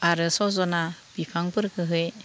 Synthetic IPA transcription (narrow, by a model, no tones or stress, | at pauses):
aɾɯsɔzɔnab̥ipʰaŋpɯɾkʰɯɦɯj